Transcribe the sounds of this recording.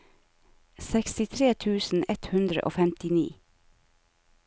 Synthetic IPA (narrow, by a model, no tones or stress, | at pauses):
sɛkst̪ɪt̪ʰɾeːt̪ʰʉːsn̩ɛt̪hʉnd̪ɾə̰ʔo̰ːfɛmt̪ɪnḭː